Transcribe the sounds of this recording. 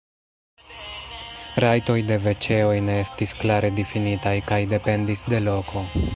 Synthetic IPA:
ɾajto̞jde̞ve̞t͡ʃe̞o̞jne̞e̞stisklaɾe̞difinitajkajde̞pe̞ndisde̞lo̞kʰo̞

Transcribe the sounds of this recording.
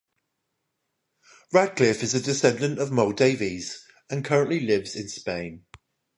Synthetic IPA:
ɹakʰlɪfɪzədɪsɛ̃ndə̃ntəvmoʊdeɪviz̥ | ə̃nkʰʌɹə̃nʔlilɪvz̥ɪ̃nspẽɪ̃n

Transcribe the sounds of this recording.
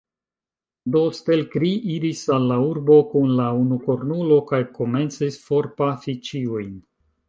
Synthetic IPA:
do̞st̪e̞lkɾiʔiɾisalːauɾbo̞kunlaunukoɾnulo̞kajko̞me̞nt͡sisfoɾpafit͡ʃiujn

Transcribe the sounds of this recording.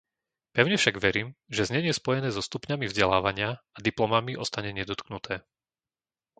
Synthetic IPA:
pɛʊɲɛfʃaɡʋɛɾiːmʒɛzɲɛɲɪɛspɔjɛnɛːzɔst̪upɲamivzɟɛlaːʋaɲɪaad̪iplɔmamiʔɔst̪aɲɛɲɛd̪ɔt̪knut̪ʰɛː

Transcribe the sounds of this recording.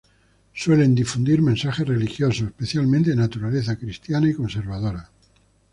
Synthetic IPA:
swe̞le̞nd̪ifund̪iɾmẽnsaxe̞re̞lixjo̞soespeθjalmẽnt̪enat̪uɾale̞θakɾist̪janaiko̞nse̞ɾβ̞að̞o̞ɾa

